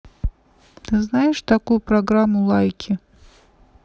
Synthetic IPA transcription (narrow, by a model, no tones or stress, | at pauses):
t̪ɨznajɪʂt̪akujʊpɾaɡɾamːʊlˠajkʲʰɪ